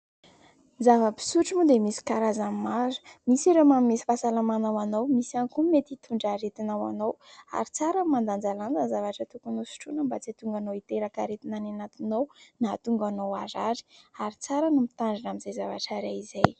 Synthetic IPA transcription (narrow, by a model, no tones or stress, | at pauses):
zavəpi̥suʈ͡ʂimud̪emisi̥kaɾazamimaɾu̥misiɾomamimesi̥fasalamanawanowmisaŋkumet̪it̪ʰuɳɖ͡ʐaɾet̪inawa̰nowa̰ɾit͡saɾamand̪and͡zaland͡zanzavaʈ͡ʂət̪ukunusi̥ʈ͡ʂunəmbat͡sit̪uŋɡanowit̪eɾakaɾet̪inananat̪inownat̪uŋɡanowaɾaɾi̥aɾit͡saɾənumit̪aɳɖ͡ʐinamizajzava̰ʈ͡ʂaɾaizaj